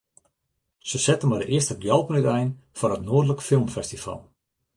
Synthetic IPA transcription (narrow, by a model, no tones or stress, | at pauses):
səsɛtənmajdəʔɪəstəɡjɔlˠpənytɛjnfɔrətnoːədləkfɪlˠmfɛstifɑ̰lˠ